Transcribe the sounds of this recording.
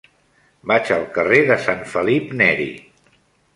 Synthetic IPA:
bat͡ʃəlˠkəreðəsaɱfəlipnɛɾḭ

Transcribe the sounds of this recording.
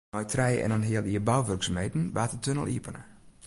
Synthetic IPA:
ɔjtʰrɛjɛ̰nanɦɪəlˠiəbawʋørksəmejtn̩ʋaːtətʰønə̰lˠḭəpənə̰

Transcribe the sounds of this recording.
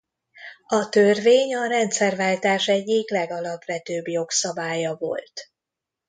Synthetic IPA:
ɒt̪ørveːɲɒɾɛnt̪sɛrvaːlt̪aːʃɛɟːiklɛɡɒlɒpvɛt̪øːbjo̞ksɒbaːjɒvo̞̰lt̪

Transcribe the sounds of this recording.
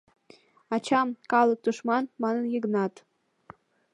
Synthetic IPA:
ɑt͡ɕɑmkɑlˠɤk̚t̪uʃmɑnmɑnənjəɣnɑt̪

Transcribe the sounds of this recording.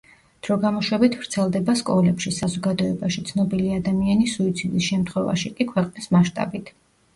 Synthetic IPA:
d̪̥ɾɔɡamɔʃwɛbit̪ʰv̥ɾt̪sʰɛlˠd̪ɛbaskʼɔlɛpʃisazɔɡad̪ɔɛbaʃit̪sʰnɔbiliad̪amianisuit̪sʰid̪isʃɛmt̪ʰχwɛva̰ʃikʼikʰwɛqʼnismaʃt̪ʼa̰bit̪ʰ

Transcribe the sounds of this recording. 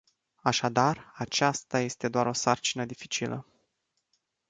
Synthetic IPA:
aʃad̪arat͡ʃast̪aje̞st̪e̞d̪oaɾo̞sart͡ʃinəd̪ifi̥t͡ʃilə̰

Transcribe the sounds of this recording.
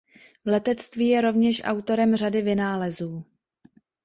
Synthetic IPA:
vlɛt̪ɛt͡st̪viːjɛɾo̞vɲɛʃʔa̰wt̪o̞ɾɛmr̝adɪvɪnaːlɛzuː

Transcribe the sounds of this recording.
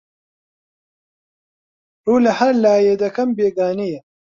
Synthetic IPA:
ɾoːlɐhɐɾlaːjeːd̪ɐkɐmbeːɡaːnijɐ

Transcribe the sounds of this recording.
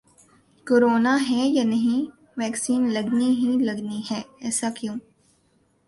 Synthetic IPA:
koːɾoːnaɦɛjanɐɦĩ | ʋɛːksiːnlɐɡniɦilɐɡniɦɛːɛːsakjõː

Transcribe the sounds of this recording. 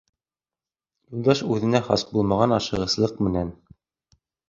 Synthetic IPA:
julˠd̪ɑʃʉðɘ̆næχɑ̰sbulˠmɑʁɑnɑʃɤ̆ʁɤ̆slˠɤq̚mɘ̆næn

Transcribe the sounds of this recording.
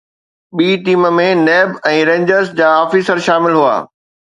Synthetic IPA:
ɓiːʈiːmə̆mẽnɛːbɛ̃ːɾẽːɲd͡ʑəɾsd͡ʑaːɔːfiːsəɾʃaːmɪlɦua̰ː

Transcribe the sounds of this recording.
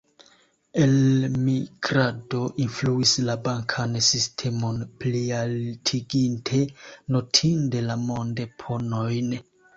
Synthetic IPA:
e̞lmiɡɾado̞ʔinfluislabaŋkʰansistʰe̞mo̞nplialtʰiɡintʰe̞no̞tʰinde̞lamo̞ndepʰo̞no̞jn

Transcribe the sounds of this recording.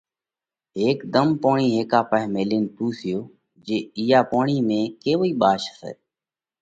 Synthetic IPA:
ɦeːkd̪əmpoːɳ̃iːɦeːkaːpəɛmeːliːnt̪uːsʰɪjoː | d͡ʒeːiːaːpoːɳiːmẽːkeːʋoiːɓaːʃəsḛː

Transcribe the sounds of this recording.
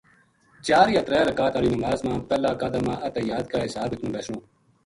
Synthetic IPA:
t͡ʃaːɾiːɐt̪ɾɛːɾɐkaːt̪aɾiːnɐmaːzmãːpɛːlaːkaːd̪aːmãːʔɐt̪ejaːd̪̚kaːɦɪsaːbɪt̪nũːbeːsnõː

